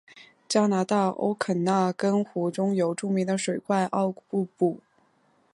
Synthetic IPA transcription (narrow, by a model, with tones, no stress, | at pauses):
t͡ɕjɑ˥na˧˥t̪ɑ˥˩ʔo̰˥ʊkʰə˨˩na˥˩kə˥nxu˧˥ʈ͡ʂʊ˥ŋjo˧˥ʊʈ͡ʂu˥˩mi˧˥ŋd̪ə˧ʂwe˨˩ɪkwa˥˧ɪʔɑ˥˧ʊpu˥˧pu˥˩